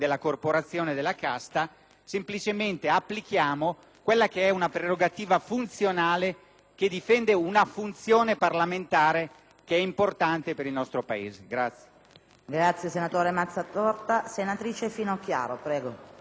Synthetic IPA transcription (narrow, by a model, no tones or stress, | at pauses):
d̪elːakorpoɾat̪sːjoːned̪elːakast̪a | semplit͡ʃement̪eapːlik̟jaːmo | kwelːak̟eɛunapɾeɾoɡat̪iːvafunt̪sjonaːle | k̟ed̪ifɛnd̪eunafunt̪sjoːneparlament̪aːɾe | keɛimport̪ant̪epeɾilnɔst̪ɾopaḛːzeɡɾat̪sːj | ɡɾat̪sjesenat̪oːɾemat̪sːat̪ɔrt̪asenat̪ɾiːt͡ʃefiːnoakja̰ːɾopɾɛːɡo